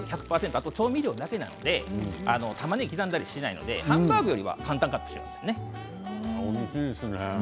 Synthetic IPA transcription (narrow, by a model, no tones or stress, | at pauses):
çakɯ̟̥paːse̞nt̪oat̪ot͡ɕo̞ːmʲiɾʲo̞ːd̪ake̞na̰no̞d̪e̞a̰no̞t̪amaɲ̟ikʲizãnd̪aɾʲiɕina̰ḭno̰d̪e̞̰hãmbaːɡɯ̟jo̞ɾʲiβa̰kãnt̪ãŋkat̪ːo̥ɕim̰asene | okiesne